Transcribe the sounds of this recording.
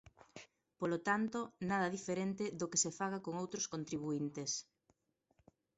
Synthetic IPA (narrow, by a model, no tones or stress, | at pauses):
polot̪ant̪onaðɐðifeɾent̪ɪðokesefaɣakoŋowt̪ɾoskont̪ɾiβ̞uint̪es